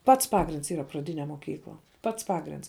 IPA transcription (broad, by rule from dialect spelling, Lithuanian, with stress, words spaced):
ˈpɐts ˈpɑːɡrʲɪnts ˈiːrɐ prɐˈdʲɪnʲɛ moːˈkʲiːklˠɐ ˈpɐts ˈpɑːɡrʲɪnts